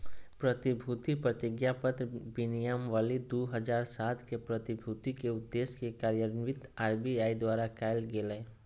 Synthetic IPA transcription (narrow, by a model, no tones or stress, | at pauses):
pɾət̪ɪbʱut̪ipɾət̪ɪɡjapət̪ɾbɪnijamʋaːlid̪uːɦəd͡ʒaːɾsaːt̪kepɾət̪ɪbʱuːt̪ikeʊd̪ːeːskekaːɾjəɾnʋɪt̪aːɾbiaːid̪waːɾakaːɪlɡeːle